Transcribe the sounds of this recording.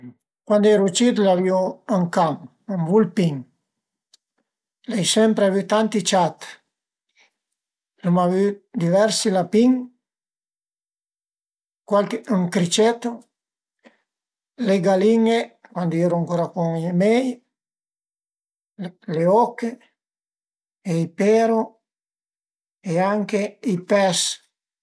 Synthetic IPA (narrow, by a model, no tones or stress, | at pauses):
kwand̪oɛɾut͡ʃit̪̬lavioaŋkaŋ | aŋvulpiŋ | lɛjsɛmpɾeavyt̪ant̪it͡ʃat̪ | lomavyd̪ivɛɾsilapiŋ | kwalkuŋkɾit͡ʃɛt̪ːo | leɡaliŋekwand̪oɛːɾoaŋkoɾakuŋimɛj | leɔkːe | eipɛɾo | eaŋkeipɛs